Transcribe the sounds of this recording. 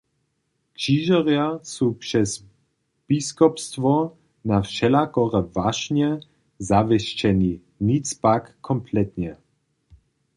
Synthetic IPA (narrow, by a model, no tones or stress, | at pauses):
kʃiːʒɔʁjasuːpʂɛs | b̥iskɔpst̪ʋɔ | nafʃɛlakɔʁɛvaʃɲɛ | zavɛʃt͡ʃɛni | nit͡spakːʰɔmplɛt̪ɲɛ